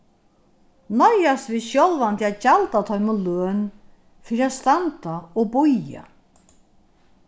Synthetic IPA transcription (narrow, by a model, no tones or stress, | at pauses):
nɔjast̪viðʃjɔlvant̪ɪaðt͡ɕalt̪at̪ʰɔʏmʊløːn | fɪːɾiaðst̪ant̪aɔɣ̚bʊja̰